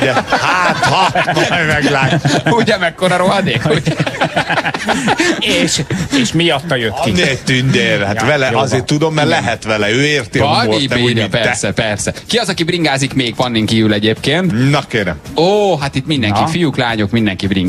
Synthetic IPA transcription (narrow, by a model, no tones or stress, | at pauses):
d̪ɛhaːt̪hɒt̪ʋmɛɡlaːuɟɛmɛkːoɾɒɾoɦɒd̪eːkuɛ | eːʃeːʃmiɒt̪ːɒjøkiet̪ynd̪eːɾhat̪ʋɛlɛʔʔɒzeːt̪ːud̪omːɛɾlɛɦɛt̪ʋɛlɛøːeːrt̪iɒɾoieɛpɛrsɛpɛrsɛkiɒzɒkibriŋɡaːzikmeːɡpɒnːiŋkiːvylɛɟeːpkeːnt̪nɒkeːɾɛ̰moːɦat̪it̪mind̪ɛŋkifijuklaːɲo̞kmind̪ɛŋkibriŋɡ